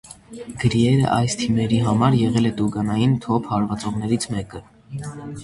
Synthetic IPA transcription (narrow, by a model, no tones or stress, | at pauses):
ɡ̥əɾiɛɾə̰ʔɑjst̪ʰimɛɾiɦɑmɑɾjɛʁɛlɛt̪uɡɑnɑjint̪ʰɔpʰhɑɾvɑt͡sɔʁnɛɾit͡sʰmɛkə